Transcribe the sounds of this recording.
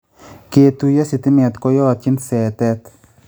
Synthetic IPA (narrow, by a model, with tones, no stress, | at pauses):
ke˧t̪u˧ja˦si˧t̪i˦mɛ˨t̪kɔ˦jɔ˦a˨t̪̚t͡ʃɪ˦nsɛ˨t̪ɛ˦t̪